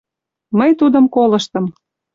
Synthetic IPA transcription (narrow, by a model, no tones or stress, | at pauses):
məjt̪ud̪ɤmkolɤ̆ʃt̪ɤ̆m